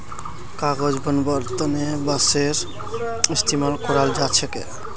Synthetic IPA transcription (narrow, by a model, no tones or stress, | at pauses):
kaɡod͡ʒbɔnbɔɾt̪ɔnebaseɾ | ist̪imalkɔɾald͡ʒat͡ʃʰekḛ